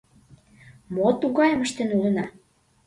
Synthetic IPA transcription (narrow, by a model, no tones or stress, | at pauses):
mot̪uɣɑjəməʃt̪enulə̆nɑ